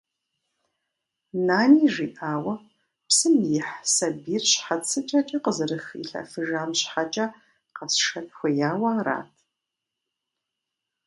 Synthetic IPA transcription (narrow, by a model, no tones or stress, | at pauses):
naːniːʒiːʔaːwɐ | psɨmjɪħsɐbiːrɕħat͡sʰɨt͡ʃʼɐt͡ʃʼɐqəzɨɾɨxḭɬɐ̰fɨʒaːmɕħat͡ʃʼɐ | qɐsʃɐtxʷɐjaːwɐaːɾa̰ːtʰ